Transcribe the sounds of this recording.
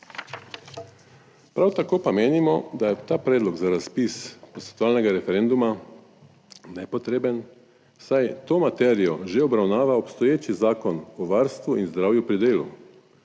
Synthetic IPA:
pɾawt̪akoːpameːnimɔd̪ajɛt̪aːpɾɛːd̪lɔɡzaɾaspispɔst̪ɛ̥t̪ɔʋaːlnɛɡaɾɛfɛɾɛnd̪uma | nɛpɔt̪ɾeːbən | sajt̪oːmat̪ɛːɾijɔʒeɔbɾawnaːʋaɔpst̪ɔjeːt͡ʃizaːkɔnɔʋaɾst̪ʋuinzd̪ɾaːwjupɾid̪eːlṵ

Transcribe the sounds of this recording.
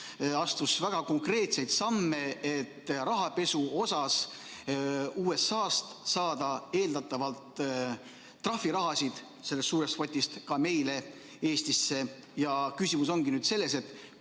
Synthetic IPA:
ɑst̪usvæɡ̥ɑko̞ŋkre̞ːt̪se̞jt̪sɑmːe̞et̪ːrɑɦɑpe̞suo̞sɑs | uːe̞sːɑːst̪sɑːd̪̥ɑe̞ːld̪ɑt̪ːˑɑvɑlt̪ | rɑfiɾɑɦɑsid̪̥ | se̞lːest̪suːɾest̪fo̞t̪ʲːist̪kɑme̞jle̞ | e̞ːst̪isːe̞ | jɑkysimus̬o̞ŋɡinyːd̪̥se̞lːe̞se̞t̪ːˑ

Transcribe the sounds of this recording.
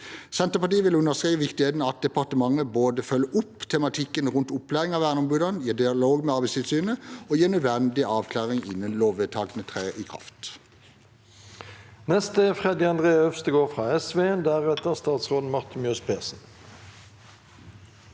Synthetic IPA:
sɛnt̪əpɑt̪iːʋɪlʉnːəʁskʁiːʋəʋɪkt̪ɪheːt̪nɑt̪̚d̪ɛpɑʁt̪əmɑŋəboːd̪əfœlːʔʊpːt̪ʰɛmɑt̪ʰɪkːənʁʉnt̪ʊpːlæːʁɪŋɑːʋæːʁnɔmbʉːd̪ənjeːd̪ɪɑloːɡmeɑʁbɪst̪ʰɪlsyːnəoːjeːnœd̪ʋɛnd̪ɪʔɑːʋkʰlɑːʁɪŋɪ̰nːənloːʋeːt̪ʰɑːɡnət̪ʰʁeːʔikʰʁɑ̰ft̪ | nɛst̪əfʁɛd̪ɪɑnd̪ʁeːœfst̪əɡoːʁfʁɑːɛsʋeːɛnd̪ææːʁɛt̪əʁst̪ɑːt̪sʁoːd̪n̩mɑʁt̪ɪnmjœspʰeːsn̩

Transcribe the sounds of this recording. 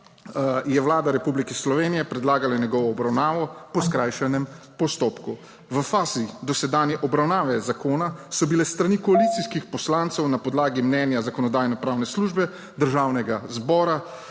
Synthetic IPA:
jɛwlaːd̪aɾɛpublikɛslɔʋeːnijɛpɾɛd̪laːɡalanjɛɡɔʋɔːbɾawnaːʋɔpɔskɾajʃɛnɛm | pɔst̪oːpku | ʋəfaːzid̪ɔsɛd̪anjɛʔɔbɾawnaːʋɛzakoːnasɔbilɛst̪ɾanikɔalit̪siskixpɔslaːnt̪sɛwnapɔd̪laːɡimnɛnjazakɔnɔd̪aːjnɔpɾaːwnɛsluʒbɛ | d̪əɾʒaːwnɛɡazbɔːɾa

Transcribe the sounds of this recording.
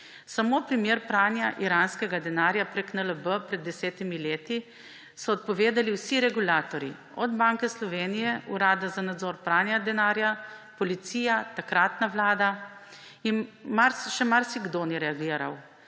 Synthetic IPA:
samopɾimjeːɾpɾaːnjaʔiɾaːnskɛɡad̪ɛnaːɾjapɾeknələbəpɾɛd̪̚ːɛsɛːt̪imileːt̪i | sɔːt̪̚pɔʋeːd̪aliwsiɾɛɡulaːt̪ɔɾi | ɔd̪baŋkɛslɔʋeːnijɛuɾaːd̪azanad̪zɔːɾpɾaːnjad̪ɛnaːɾjapɔlit̪siːjat̪akɾaːt̪naʋlaːd̪a | inmaɾsʃɛmaɾsiɡd̪oniɾɛaɡiːɾa̰w

